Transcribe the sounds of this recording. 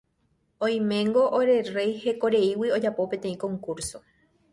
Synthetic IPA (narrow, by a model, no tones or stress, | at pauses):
õj̃mẽ̞ŋɡo̞ʔoɾe̞re̞jhe̞ko̞ɾe̞iwio̞d͡ʒapo̞pẽ̞t̪ẽ̞ĩkõ̞ŋkuɾso̞